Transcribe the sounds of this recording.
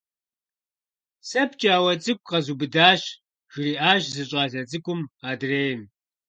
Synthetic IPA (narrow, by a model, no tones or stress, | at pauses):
sɐpʰt͡ʃʼaːwɐt͡sʼɨkʷʼqɐzuːbɨdaːʃ | ʒ̥riːʔaːʒzɨɕʼaːɮɐt͡sʼɨkʷʼʊmaːdreːjm